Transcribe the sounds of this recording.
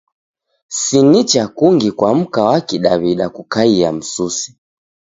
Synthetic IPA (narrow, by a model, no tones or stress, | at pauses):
sinit͡ʃakuŋɡikwam̩kawakiɗaβiɗakukaiam̩susi̥